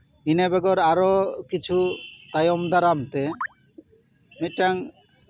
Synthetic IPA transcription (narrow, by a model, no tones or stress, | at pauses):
inebɛɡɔɾaɾokit͡ɕʰut̪ajɔmd̪aɾamt̪e | miʈːaŋ